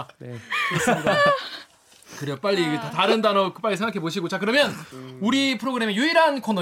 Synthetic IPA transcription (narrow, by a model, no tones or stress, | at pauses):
kɯɾeop͈aʎːiɡetataɾɯndanʌkɯp͈aʎːis̬ʰeŋɡakʰeboɕʰiɡot͡ɕakɯɾʌmjʌnuɾipʰɯɾoɡɯɾe̞mejuiɾɦankʰono